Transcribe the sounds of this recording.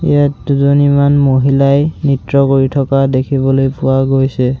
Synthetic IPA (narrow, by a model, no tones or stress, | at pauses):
ḭjatduzɔnimanmoɦilajnitɹɔkoɹitʰɔkadekʰibɔlojpʊwaɡojsɛ